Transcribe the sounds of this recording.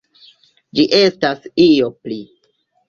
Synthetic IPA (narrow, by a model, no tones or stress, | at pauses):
d͡ʒiʔestasio̞pli